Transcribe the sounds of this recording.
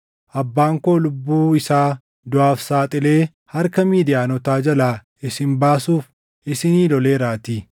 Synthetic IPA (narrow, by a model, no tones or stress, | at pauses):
ʔɐbːaːŋko̞ːlʊbːuːɪsaː | d̪ʊaːfsaːt̪ʼɪle̞ː | hɐɾkɐmiːd̪ɪjaːnɔt̪aːd͡ʒɐlaː | ɪsɪmbaːsuːf | ɪsɪniːlɔle̞ːɾaːt̪iː